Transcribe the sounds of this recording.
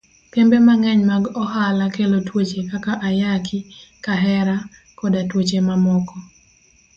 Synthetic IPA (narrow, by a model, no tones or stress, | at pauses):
kembemaŋɛɲmaɡɔɦalakelotwot͡ʃekakaʔajakʰɪkaɦɛɾa | kɔdatwot͡ʃemamɔkɔ